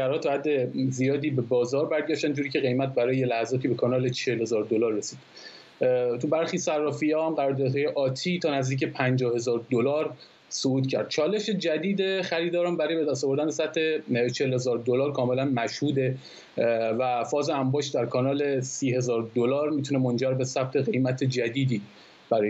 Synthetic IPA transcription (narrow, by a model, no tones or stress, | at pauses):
æɾhɒːt̪ʰːɒhæd̪ːezijɒːd̪iːbe̞bɒːzɒːɾbæɾɟæʃt̪ænd͡ʒuːɾicʰe̞ɣe̞jmæt̪̚bæɾɒːjejelæhæzɒːt̪ʰiːbe̞kʰɒːnɒːle̞t͡ʃʰehelhe̞zɒːɾd̪olɒːɾːe̞siːd̪̥ | t̪ʰubæɾχiːsærːɒːfiɒːhæmɢæɾɒːɾd̪ɒːd̪hɒːje̞ʔɒːt̪ʰiːt̪ʰɒːnæzd̪iːc̬epʰænd͡ʒɒːhe̞zɒːɾd̪olɒːɾ | souːt̪cʰæ̰ɾd̪̥̚t͡ʃʰɒːle̞ʃe̞d͡ʒæd̪iːd̪eχæɾiːd̪ɒːɾɔmbæɾɒːjbe̞d̪æst̪ɔːvo̞ɾd̪ænesæb̚t̪ʰhe̞t͡ʃʰelhe̞zɒːɾd̪olɒːɾkʰɒːme̞lænmæʃhuːd̪e̞ | væfɒːzeæmbɒːʃd̪æɾkʰɒːnɒːlesiːɦe̞zɒːɾd̪olɒːɾmiːt̪ʰune̞mo̞nd͡ʒæɾbe̞sæb̚t̪ʰe̞ɣe̞jmæt̪ʰed͡ʒæd̪iːd̪iː | b̥æɾɒːj